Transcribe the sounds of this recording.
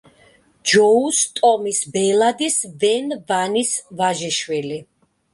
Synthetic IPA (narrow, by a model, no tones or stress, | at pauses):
d͡ʒɔust̪ʼɔmisbɛlˠad̪isvɛnvanisvaʒɛʃwili